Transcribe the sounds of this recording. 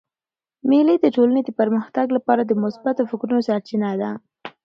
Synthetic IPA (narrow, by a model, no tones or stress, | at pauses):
melid̪əʈolaned̪əpaɾməxt̪aɡlapɑɾad̪əmʊsbat̪ofʊkɾunosaɾt͡ʃinad̪a